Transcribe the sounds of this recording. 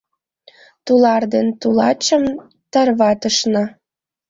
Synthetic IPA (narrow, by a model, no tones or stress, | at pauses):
t̪ulɑrd̪ent̪ulɑt͡ɕə̆m | t̪ɑrβɑt̪ə̆ʃnɑ